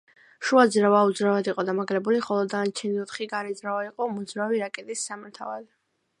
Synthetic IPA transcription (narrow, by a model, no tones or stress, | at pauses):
ʃuad̪zɾavaud̪zɾavad̪iqʼɔd̪amaɡlɛbuliχɔlˠɔd̪anat͡ʃʰɛnilˠɔt̪χiɡaɾɛd̪zɾavaiqʼɔmɔd̪zɾaviɾakʼɛt̪ʼisːamɛɾt̪ʰa̰va̰d̪ɛ